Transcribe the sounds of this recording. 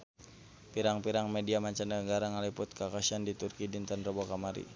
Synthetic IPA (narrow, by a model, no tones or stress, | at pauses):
piɾaŋpiɾaŋmɛdiamaɲt͡ʃanaəŋɡaɾaŋalipʊt̪̚kakaʃandit̪urkidint̪ənrɔbɔkamaɾḭ